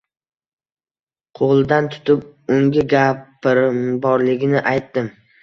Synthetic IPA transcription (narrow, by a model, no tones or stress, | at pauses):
qʰoʁlˠɪd̪ant̪ʰʊ̥t̪ʰɪp̚ʊŋɡʲɪɡʲapɾmbɒɾlɪɡʲɪnɪʔajt̪ːɪm